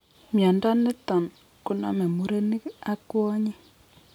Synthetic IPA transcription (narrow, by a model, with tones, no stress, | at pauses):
mja˨nda˦nɪ˦tɔ˨n | kʊ˦na̰˨me˨mu˨ɾe˦ni˦a˦kwɔ˦ɲi˦